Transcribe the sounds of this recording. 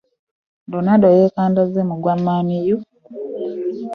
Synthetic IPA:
ndonadojeːkaːndazemuɡwamːaːniju

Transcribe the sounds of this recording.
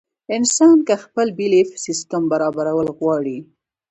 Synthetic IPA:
ɪnsɑnkaxpəlbilefsist̪əmbaɾɑbaɾawəlɣwɑɽi

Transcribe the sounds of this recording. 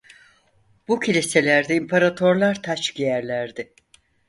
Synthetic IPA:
bucʰilʲise̞lʲæɾd̪ɛimpʰaɾat̪ʰo̞ɾlˠaɾt̪ʰat͡ʃɟijæɾlʲæɾd̪ɪ

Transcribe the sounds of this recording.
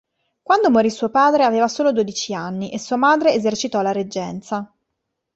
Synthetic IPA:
kwand̪omoɾisuːopaːd̪ɾeaveːvasoːlod̪oːd̪it͡ʃianːiʔesːuːamaːd̪ɾeːzert͡ʃit̪ɔlaɾed͡ʒːɛnt̪sa

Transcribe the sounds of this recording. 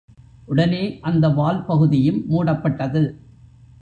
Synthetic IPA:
ʔʊɽɐneːʔɐnd̪ɐʋaːlpɐɣɯðɪjɯmːuːɽɐpːɐʈːɐðɯ

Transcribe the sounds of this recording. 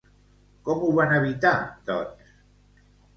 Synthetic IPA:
kɔmuβanaβit̪at̪ɔ̰ɾs

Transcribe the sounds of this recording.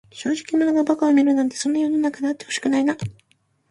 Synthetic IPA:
ɕo̞ːʑi̥kʲimonoɡabakaomʲiɾɯ̟nãnt̪e̞so̞nːajo̞nonakad̪eat̪ːe̞ho̞ɕi̥kɯ̟naina

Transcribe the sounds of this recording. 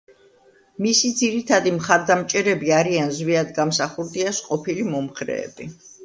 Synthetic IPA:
misid̪ziɾit̪ʰad̪imχaɾd̪amt͡ʃʼɛɾɛbiaɾianzwiad̪ɡamsaχuɾd̪iasqʼɔpʰilimɔmχɾɛ̰ːbi

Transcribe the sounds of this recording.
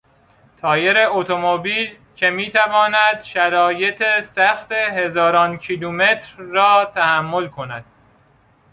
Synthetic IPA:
t̪ʰɒːje̞ɾeot̪ʰomobiːl | cʰe̞miːt̪ʰævɒːnæd̪̥ʃæɾɒːje̞t̪ʰesæxt̪e̞ɦe̞zɒːɾɒːncʰiluːme̞t̪ʰɾːɒːt̪ʰæhæmːo̞lkʰo̞næ̰d̪̥̚

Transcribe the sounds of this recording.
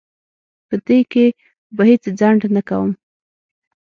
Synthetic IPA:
pəd̪eke | bəhet͡sd͡zaɳɖnakawəm

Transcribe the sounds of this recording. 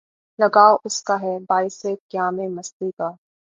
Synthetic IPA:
lɐɡaːoʔʊskaɦɛbaːɪsekjaːmẽmɐst̪ikaː

